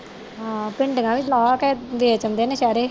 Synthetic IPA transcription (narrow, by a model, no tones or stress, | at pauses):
ɦãːpɪɳɖəɡãːʋɪt͡ʃlaːkɛːʋeːt͡ʃəmd̪eːnẽːʃaːɾeː